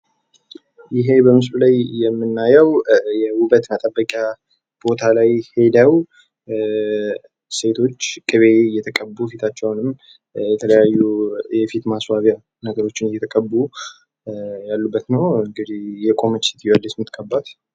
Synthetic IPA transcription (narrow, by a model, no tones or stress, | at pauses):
jɪɦe̞bəmɨslulajːɛmːɨnːajəwjɛwʊbət̪nat̪ʼəbːəkʼja | b̥o̞t̪ʰalajhe̞d̪əw | se̞t̪ʰo̞t͡ʃːkʼɨβe̞jɛt̪ʰəkʼəbːufit̪ʰat͡ʃːɛwnɨm | jɛt̪ʰələjajːujɛfit̪maswaβja | nəɡəɾo̞t͡ʃːɪnjɛt̪ʰəkʼəbːu | jalːubːət̪nəwɨŋɡɨd̪ihjɛkʼo̞mət͡ʃːi̥t̪ʰbəlːɪsmɨt̪kʰʼəbːat̪